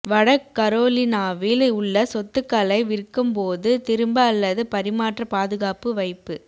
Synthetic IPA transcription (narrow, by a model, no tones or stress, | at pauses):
ʋɐɽɐkkːɐɾoːlɪnaːʋɪlʊɭːɐsɔt̪ːɯkːɐlɐɪʋɪɾkːɯmpoːðɯt̪ɪɾɯmbɐːlːɐðɯpɐɾɪmaːʈrɐpaːðɯɣaːpɯʋɐɪpːɯ